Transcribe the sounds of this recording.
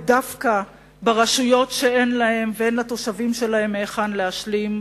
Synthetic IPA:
dafka | baʁaʃujo̞tʃe̞enlahe̞mveenlato̞ʃavimʃe̞lahe̞mːeːχanleaʃlim

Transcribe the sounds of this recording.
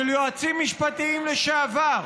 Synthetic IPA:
eljoat͡simːiʃpat̪iimleʃaːvaʁ

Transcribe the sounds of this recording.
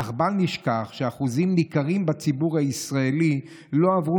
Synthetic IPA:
aχbalniʃkaχʃeaχuzimnikaʁimbat͡sibuʁhaisʁaeli | lo̞avʁu

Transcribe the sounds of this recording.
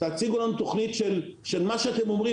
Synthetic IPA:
t̪aat͡siɡuolanut̪o̞χnit̪ʃelʃelmaʃeat̪emo̞mʁi

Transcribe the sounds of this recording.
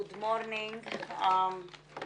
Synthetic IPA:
ʊd̪mɔːɾnɪ̃ŋɡ

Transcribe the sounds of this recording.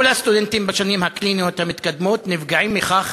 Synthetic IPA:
last̪ud̪ent̪imbaʃanimhakliːniot̪amɪt̪kad̪moːt̪nɪfɡaʕiːmːɪxax

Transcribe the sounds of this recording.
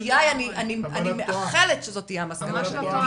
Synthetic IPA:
jajanianianimeaχeletʃezo̞t̪ijamaskanaʃel

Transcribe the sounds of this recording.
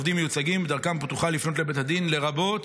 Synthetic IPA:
vd̪imːejut͡saɡimbed̪aʁkambt̪uχalifno̞t̪̬le̞bethad̪inle̞ʁabo̞t

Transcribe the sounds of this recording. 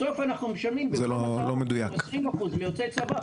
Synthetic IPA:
so̞fanaχnumeʃamimbezelolomed̪ujakesʁimaχuzmejot͡sesaba

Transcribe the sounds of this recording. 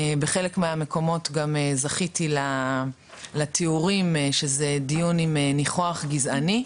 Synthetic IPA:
beχelekmeame̞ko̞mo̞tɡamezaχitila | latʰiuʁimʃezedijunimeniχoaχɡizani

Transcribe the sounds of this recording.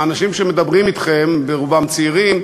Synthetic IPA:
anaʃimʃemed̪abʁimit̪χembeʁuvamt͡siʁim

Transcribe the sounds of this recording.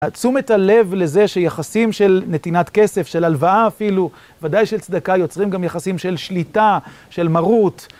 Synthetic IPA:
at͡sume̞tale̞vle̞ze̞ʃejaχasimʃe̞lne̞t̪inat̪ke̞se̞fʃelalvaaːfilu | vadajʃelt͡sd̪akajo̞t͡sʁimɡamjaχasimʃe̞lʃlita | ʃe̞lmaʁut

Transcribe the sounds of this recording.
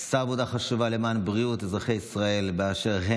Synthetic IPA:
saːvod̪aχaʃuvale̞maːnbʁiutezʁaχe̞jisʁae̞lbeaʃe̞ʁɦe

